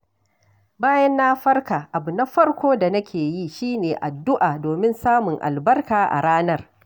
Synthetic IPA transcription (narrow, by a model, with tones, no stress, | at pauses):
baː˦jɐ˦nːaː˦ɸɐ˦rkaː˨ʔa˨bu˨na˦ɸɐ˦ɽkʷoː˦da˨nɐ˦kʲʰeː˨ji˦ʃiː˦neː˨ʔa˨dːʊ˦ʔaː˨doː˨mɪ˦nsaː˦mʊ˨ŋʔa̰˨lbɐ˦rkaː˨ʔa̰˨ɽaː˦nɐ˦r